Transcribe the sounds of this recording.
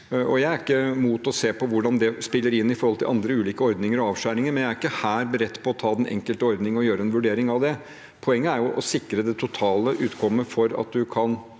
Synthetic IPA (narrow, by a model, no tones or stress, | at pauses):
ɔjæɪæɾɪkːəmuːt̪ɔseːpʰɔʋʊɖɑnd̪ɛspɪlːəɾɪnːɪfɔɾhɔlt̪ʰɪ̰lʔɑnd̪ɾəʉːliːkəɔɾd̪nɪŋəɾɔɑːʋʂæːɾɪŋəɾmɛnjæɾɪkːəhæːɾbəɾɛt̪ːpʰɔɔt̪ʰɑːd̪ɛnɛ̰ŋkəlt̪əɔɾd̪nɪŋɔjøːɾəɛnʋʉɖeːɾɪŋɑʋd̪ɛ | pʰɔɛŋːəæɾjʊʔɔ̰sɪkːɾəd̪ɛt̪ʰʊt̪ʰɑːləʔʉːt̪kʰɔmːəfɔɾɑ̰t̪̚d̪ʉkʰɑn